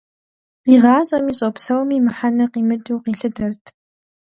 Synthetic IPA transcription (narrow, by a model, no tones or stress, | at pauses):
iʁɑːɕʼɐmiːɕʼopsɐwmiːmɨħanɐqiːmɨtʼuwqiːɬɨdɐrtʰ